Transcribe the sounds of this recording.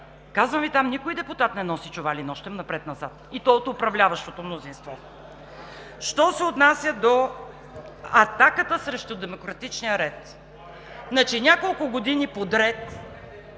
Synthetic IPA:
kazvəmvit̪amnikʊjd̪ɛpʊt̪at̪nɛnɔsit͡ʃʊvalinɔʃt̪ɛmnɐpɾɛt̪nɐzat̪it̪ɔot̪ʊpɾɐvlʲavɐʃt̪ot̪omnozinst̪vɔ | ʃt̪ɔsɛot̪nasʲjəd̪o | ɐt̪akət̪əsɾɛʃt̪od̪ɛmokɾɐt̪it͡ʃnijəɾɛt̪ | nɐt͡ʃinʲakolˠkʊɡod̪inipod̪ɾɛt̪

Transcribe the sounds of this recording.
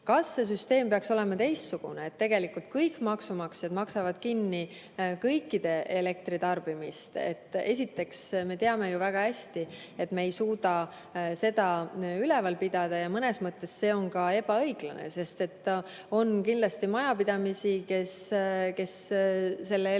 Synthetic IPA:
kɑsːe̞s̬yst̪e̞ːmpeɑkso̞le̞mɑt̪e̞jst̪suɡ̥ṵneeːt̪ːe̞ɡe̞likult̪̚kɤjkːmɑksumɑksjɑd̪mɑksɑvɑd̪̥kinːi | kɤjkːˑid̪̥e̞ʔe̞le̞k̚t̪ɾit̪ɑrb̥imist̪e̞̰t̪ːˑe̞sʲit̪ːˑe̞ksme̞t̪e̞ɑme̞juvæɡ̥ɑæsʲt̪i | e̞t̪mejsuːd̪ɑ | se̞d̪ɑylɛ̞vɑlpid̪̥ɑd̪̥ɑjɑmɤne̞smɤt̪ːe̞sse̞ːo̞nkɑe̞b̥ɑɤjɡ̥lɑnḛse̞st̪e̞t̪ːˑ | o̞nkind̪lɑst̪imɑjɑpid̪̥ɑmisike̞ske̞sː | e̞lːe

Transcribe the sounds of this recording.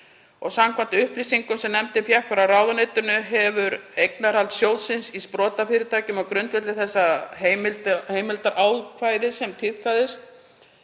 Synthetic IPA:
ɔɣsamkʰvant̪ʏhplisiŋkʏmsɛmnɛmt̪ɪmfjahkfaɾawraːwðanejt̪ʏnʏɦɛvʏɾejknaɾhalt̪sjowlsɪnsispɾɔːt̪afɪːɾɪt̪ʰaːcʏmɔɣkɾʏnt̪vɛt̪lɪθɛsːaɦejmɪlheːjmɪlt̪aɾʔaːwðkʰvaːjðɪsɛmt̪ʰɪðkʰaðɪst̪̚

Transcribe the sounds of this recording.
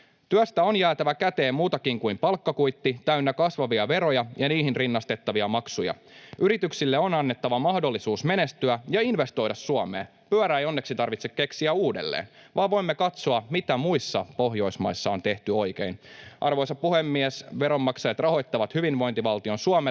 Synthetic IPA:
t̪yæst̪æonjæːt̪æʋækæt̪eːmmuːt̪ɑkiŋkuimpɑlkːɑkujt̪ːit̪æynːækɑsʋɑʋiɑʋe̞ɾo̞jɑjɑniːɦinrinːɑst̪e̞t̪ːɑʋiɑmɑksujɑ̰ | yɾit̪yksilːeo̞nɑnːe̞t̪ːɑʋɑmɑhdo̞lːisuːsme̞ne̞st̪yæjɑinʋe̞st̪o̞jdɑsːuɑmḛː | pyæɾæːejo̞nːe̞ksit̪ɑrʋit̪sekke̞ksiæuːdḛlːḛːnʋʔɑːʋo̞imːekɑt̪soɑmit̪æmuisːɑ̰po̞ɦjo̞jsmɑ̰jsːɑo̞nt̪e̞ht̪yo̞jke̞̰inʔɑrʋo̞jsɑpuhemːiɛsʋe̞ɾo̞mːɑksɑjɑt̪rɑɦo̞jt̪ːɑʋɑt̪hyʋinʋo̞int̪iʋɑlt̪io̞nsuɑme

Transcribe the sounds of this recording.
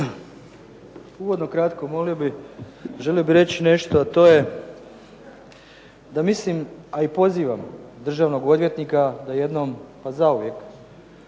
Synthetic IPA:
uʋo̞d̪no̞kɾat̪komo̞lijobi | ʒe̞lijobiɾe̞t͡ɕine̞ʃt̪oat̪o̞ːje̞ | d̪amislimaipo̞ziːʋamd̪r̩ʒaʋno̞ɡo̞d̪ʋje̞t̪nikad̪aje̞d̪no̞mpazauʋje̞k

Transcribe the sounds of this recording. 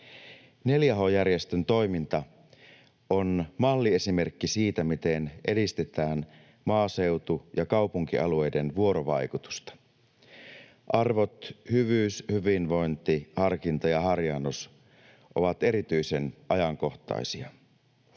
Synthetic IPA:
neljæɦo̞jærjest̪ønt̪o̞jmint̪ɑ | ʔonmɑlːie̞sime̞rkːisiːt̪æmit̪e̞nʔe̞dist̪e̞t̪æːn | mɑːse̞wt̪ujɑkɑwpuŋk̟iʔɑ̰lue̞jde̞nʋuo̞ɾoʋɑ̰jkut̪u̥st̪ɑ̥ | ʔɑrʋo̞t̪hyʋyːshyʋinʋo̞jnt̪ihɑrkint̪ɑjɑɦɑrjɑnːos | ʔo̞̰ʋɑt̪e̞ɾit̪yjse̞nʔɑjɑŋko̞ht̪ɑ̰jsiɑ

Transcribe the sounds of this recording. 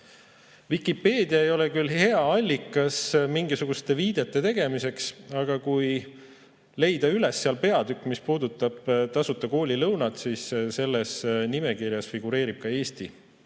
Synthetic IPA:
vikˑipːe̞ːd̪̥iɑe̞jo̞lekylhe̞ɑɑlʲːikːˑɑsmiŋɡisuɡ̥ust̪e̞viːd̪̥e̞t̪ːˑe̞t̪e̞ɡ̥e̞mise̞ksɑɡ̥ɑkuj | le̞jd̪̥ɑyle̞sːeɑlpe̞ɑd̪ykːˑmispuːd̪ut̪ːˑɑb̥t̪ɑsut̪ːˑɑko̞ːlʲilɤwnɑt̪sisse̞lːesnimekirjɑsfiɡ̥uɾe̞ːɾib̥̚kɑe̞ːst̪i

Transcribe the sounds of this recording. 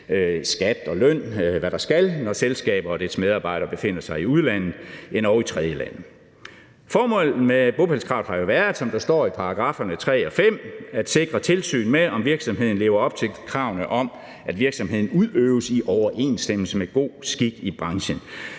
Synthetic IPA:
sɡ̥æd̥ɒ̽lœn̰ʋæɾ̥ɑ̈sɡ̥ælnɒselsɡ̥ɛ̰ːb̥ɐːd̥eɐsmeð̞ˠɑ̈ːb̥ɑ̈ɪ̰ɾ̥ɐb̥e̝fe̝n̰ɐsɑ̈ɪiuð̞ˠlæn̰ð̩ˠe̝nɒʊit͡sʰʁɛð̞ˠjəlæn̰ð̩ˠ | fɒːmɔ̽l̰̩meb̥o̝b̥ʰælskʰʁɑ̈ʊðˠhɑ̈jo̝ʋæːɐð̩ˠsɒ̽md̥ɑ̈sd̥ɒ̰ːipʰɑ̈ɑ̈ɡ̥ʁɑ̈ːfɐnət͡sʰʁɛ̰ːɒ̽fem̰æd̥se̝ɡ̥ʁɐt͡sʰe̝lsy̰ːnmeɒ̽mʋiɐɡ̥sɒ̽mɦe̝ð̰ˠn̩le̝ːʊɐɒ̽b̥̚t͡sʰe̝lkʰʁɑ̈ʊnəʔɒ̽m | æd̥ʋiɐɡ̥sɒ̽mɦe̝ð̰ˠn̩uðˠøːʊsiʔɒʊɐʔe̝̰ːnsd̥em̰l̩səmeɡ̥o̝̰ːsɡ̥iɡ̥ib̥ʁɑ̈ŋɕən

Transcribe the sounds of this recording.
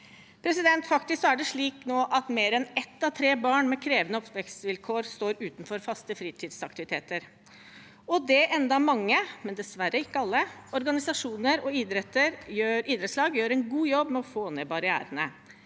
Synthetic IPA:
pʰɾɛsɪd̪ɛnt̪fɑkt̪ɪskæɖɛʂɭiːknoːʔɑt̪meːɾɛnɛt̪ːɑʋt̪ʰɾeːbɑːɳmɛkʰɾeːʋənəɔpʋɛkt̪sʋɪlkʰoːɾst̪oːɾʉːt̪nfɔɾfɑst̪əfɾiːt̪ʰiːd̪sɑk̚t̪ɪʋɪt̪ʰeːt̪əɾ | ɔd̪ɛʔɛnd̪ɑmɑŋːəmɛnd̪ɛsʋæɾːəɪkːəɑlːəɔɾɡɑnɪsɑʂuːnəɾɔiːd̪ɾɛt̪ːəɾjøːɾiːd̪ɾɛt̪slɑːɡjøːɾɛnɡuːjɔbmɛɔfoːnɛbɑɾɪæ̰ːɾənə̰

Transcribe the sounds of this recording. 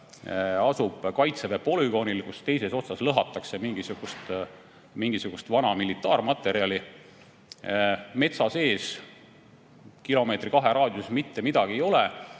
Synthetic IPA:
ɑsub̥kɑjt̪sevepo̞lyɡ̥o̞nilkust̪e̞jse̞so̞t̪sɑslɤɦɑt̪ːˑɑkse̞miŋɡ̥isuɡ̥ust̪ | miŋɡ̥isuɡ̥ust̪vɑnɑmilit̪ːˑɑːrmɑt̪ːˑe̞ɾiɑli | me̞t̪sɑse̞ːs | kilo̞me̞ːt̪rikɑɦe̞ɾɑːd̪̥jusmit̪ːe̞mid̪̥ɑɡ̥iejo̞le

